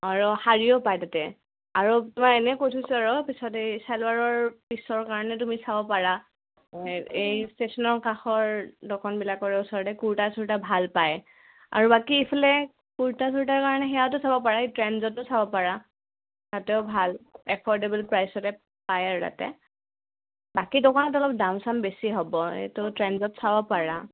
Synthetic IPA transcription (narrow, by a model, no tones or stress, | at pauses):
aɹuhaɹiɔpajtatɛ | aɹutumakɛnɛkotʰusuaɹɔpisɔtejsalwaɹɔɹpisɔɹkaɹɔnɛt̬umisabɔpaɹa | ejstesɔnɔɹkaxɔɹdɔkʰɔnbilakɔɹɛusɔɹɔtɛkuɹtasuɹtabʱalpaj | a̰ɹubakiepʰalɛ | kuɹtasuɹtaɹkaɹɔnɛxɛjaʊtʊsabɔpaɹaejtɹɛnzɔtːʊsabɔpaɹa | tatɛʊbʱalɛpʰɔɹdebɛlpɹajsɔtɛ | pajaɹta̰tɛ̰ | bakidɔkʰɔnɔtɔlɔp̚daʊ̃nsambesiɦɔbɔḛtʊtɹɛnzɔtsabɔpaɹa